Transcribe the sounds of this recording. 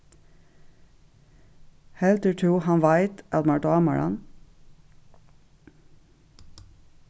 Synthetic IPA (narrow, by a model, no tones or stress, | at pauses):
hɛlt̪əʈʰuːhɑnʋæɪt̪ʔɑt̪mɑʈɑːmə̰ɹɑ̰n